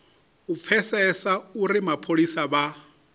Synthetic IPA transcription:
up̪fʰɛsɛsauɾimapʰolisaβa

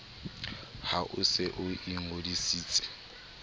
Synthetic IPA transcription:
haʔʊsɪʔʊʔiŋ̩ʊdisiːt͡sʼɪ̥

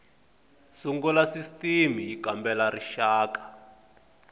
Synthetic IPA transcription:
suŋɡulasistimijikambɛlaɾiʃaːkḁ

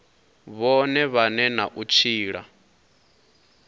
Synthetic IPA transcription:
βɔnɛβanɛna̰ʔut͡ʃʰiːɺa̰

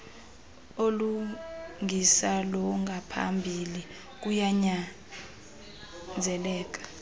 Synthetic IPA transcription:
oluŋʱisalɔŋɡʱapʰa̰mbʱili | k̬ujaɲa | nd͡zʱɛlɛːk̬ḁ

